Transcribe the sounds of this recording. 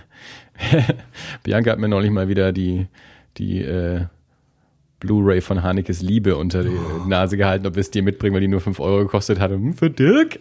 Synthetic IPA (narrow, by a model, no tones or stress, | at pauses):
b̥jʔa̰ŋkha̰tmiːɐnɔʏlɪçmaːlviːdɐdiː | d̥ḭːʔɛː | b̥luːʁeɪfɔnɦaːnɪkəs̬liːbəʔʊntɐdiːnaːzəɡəhaltn̩ʔɔpviɐsd̥iːɐmɪt̚b̥ʁɪŋvaɪdiːnuːɐfʏnfʔɔ̰ʏʁoɡəkʰɔstəthatəhm̩fyːɐdɪk